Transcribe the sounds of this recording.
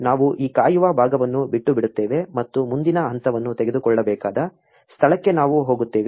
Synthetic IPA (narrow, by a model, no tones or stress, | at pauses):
naːʋuʔiːkaːjuʋɐbʱaːɡɐʋɐnːubiʈːubiɽut̪ːeːʋe̞mɐt̪ːumund̪inɐɐnt̪ʰɐʋɐnːut̪eɡe̞d̪ukɔɭːɐbɛːkaːd̪ɐ | st̪ʰɐɭɐkːe̞naːʋuɦoːɡut̪ːeːʋi